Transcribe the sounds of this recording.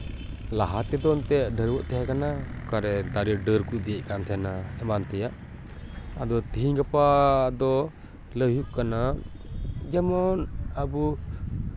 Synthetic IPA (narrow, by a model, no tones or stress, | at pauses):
laɦat̪ɛd̪ɔnt̪ɛʔɖəɾwɔʔt̪ɛɦakanakaɾɛd̪aɾɖəɾkuʔd̪ijɛʔkant̪ʰɛanaɛmant̪ɛjaʔ | ad̪ɔt̪iɦiɲɡapad̪ɔ | ləwɦjuʔ̚kana | d͡ʒɛmɔnabu